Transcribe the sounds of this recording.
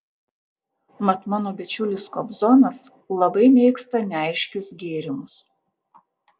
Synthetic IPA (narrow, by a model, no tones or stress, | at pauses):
mɐt̪mɑnoːbʲɪt͡ʃʲʊlʲɪskɔbzɔnɐs | lˠɐbɐɪmʲɛɪkst̪ɐnʲɛɐɪʃʲkʲʊsɡʲeːɾʲɪmʊs